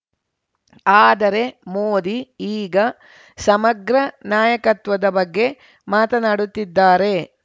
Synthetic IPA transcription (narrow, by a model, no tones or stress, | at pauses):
aːd̪ɐɾe̞moːd̪iiːɡɐ | sɐmɐɡɾɐnjaːjɐkɐt̪ʋɐd̪ɐbɐɡːe̞ | maːt̪ɐnaːɽut̪ːid̪ːaːɾe̞